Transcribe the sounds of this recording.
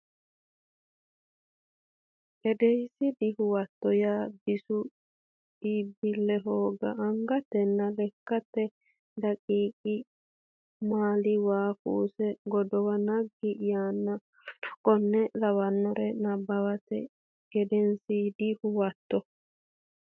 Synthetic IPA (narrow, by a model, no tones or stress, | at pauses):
ɡ̥ɛd̪ɛjsɪd̪ɪhʊwɐt̪ːɔjaːbɪsʊ | ibɪlːɛɦoːɡɐ̰ʔːŋɡɐt̪ːɛnːɐlɛkːɐt̪ːɛ | lɐkʼiːkʼɪ | maːlɪwaːfuːsɛɡɔd̪ɔwɐnɐɡːɪjaːnːɐ | kʼɔnːɛlɐwɐnːɔɾɛnɐbːɐwɐt̪ɛ̰ | ɡ̥ɛd̪ɛnsiːd̪ɪhʊwɐt̪ːɔ